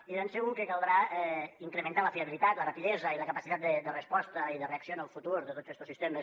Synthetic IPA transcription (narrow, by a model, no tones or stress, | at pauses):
ienseuŋkəkalˠd̪ɾaɛiŋkɾəmənt̪aləfiəβilit̪at̪lərapiðɛzəiləkəpasit̪at̪̚d̪əd̪ərəspɔst̪əiðəreəksionəlˠfut̪uɾðət̪od͡zɛst̪osist̪eməs